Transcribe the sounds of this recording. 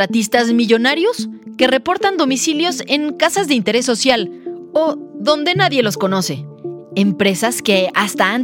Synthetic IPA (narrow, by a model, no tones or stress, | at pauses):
at̪ist̪azmiʝo̞naɾjo̞ske̞re̞po̞ɾt̪and̪o̞misiljo̞se̞ŋkasazðeint̪e̞ɾe̞sːo̞sjaloðo̞nd̪e̞naðje̞lo̞sko̞no̞se̞empɾe̞saske̞ast̪aan